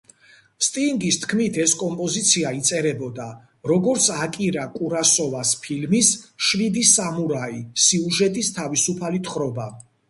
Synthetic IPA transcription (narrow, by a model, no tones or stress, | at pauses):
st̪ʼiŋɡist̪ʰkʰmit̪ʰɛskʼɔmpʼɔzit̪sʰiait̪sʼɛɾɛbɔd̪a | ɾɔɡɔɾt̪sʰakʼiɾakʼuɾasɔvaspʰilmisʃvid̪isamuɾaisiuʒɛt̪ʼist̪ʰavisupʰalit̪ʰχɾɔba